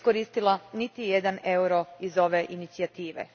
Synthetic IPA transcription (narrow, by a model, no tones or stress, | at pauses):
koɾiːst̪ilˠanit̪ijed̪ane̞uɾo̞izo̞ʋeʔinit̪siat̪iːʋḛ